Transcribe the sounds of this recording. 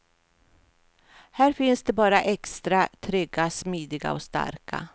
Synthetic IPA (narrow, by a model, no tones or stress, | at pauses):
hæːɾfɪnsd̪ɛbɑːɾaʔɛkst̪ɾat̪ʰɾʏɡːasmiːd̪ɪɡa̰ɔst̪a̰ɾkʰa̰